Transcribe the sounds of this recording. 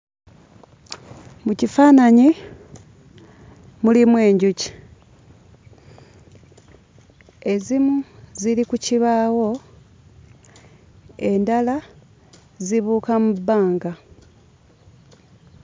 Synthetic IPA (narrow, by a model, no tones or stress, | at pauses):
mucifaːnaɲi | mulimwe̞ːɲɟuci̥ | e̞zimuzilikuciβaːwo̞ | e̞ndala | ziβuːkamubːaːŋɡa